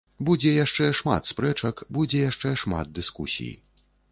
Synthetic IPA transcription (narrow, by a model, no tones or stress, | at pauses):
bud͡zʲɛjaʂt͡ʂɛʂma̰t̪spɾɛt͡ʂɐkbud͡zʲɛjaʂt͡ʂɛʂma̰d̪̚d̪ɨskṵsʲḭjḭ